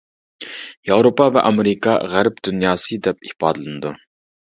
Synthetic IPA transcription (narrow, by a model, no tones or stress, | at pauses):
jɑwɾopɑvɛ̰ʔɑmeɾikʰɑ̰ʁæɾpd̪̥unjɑːsɨd̪ɛp̚ihpɑːd̪ɨlˠɨnɨd̪u